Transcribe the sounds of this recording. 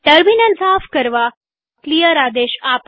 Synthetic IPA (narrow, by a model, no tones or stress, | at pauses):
ʈəɾminə̃nsafkəɾʋa | klijəɾad̪eɕap